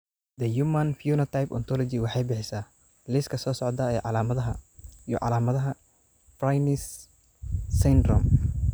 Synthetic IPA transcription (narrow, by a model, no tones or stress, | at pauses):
d̪ɐjumɐnfjuːnɐt̪ʰajpɔ̰nt̪ʰɔlɔt͡ʃiwɑħɑjbɪħɪsaː | lɪskʰɐsɔːsɔʕd̪ɐɛːʕɑlaːmɐðɐɦɐjɔ̰ʕɑ̰laːmɐðɐɦɐ | fɾajnɪs | sɪnd̪ɾɔ̰m